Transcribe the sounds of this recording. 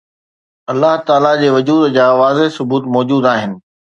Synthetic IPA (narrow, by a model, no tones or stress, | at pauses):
ɐlːaɦt̪aːlad͡ʑeːʋʊd͡ʑuːd̪d͡ʑaːʋaːzeɦsʊbuːt̪mɔːd͡ʑuːd̪aːɦɪnɪ̆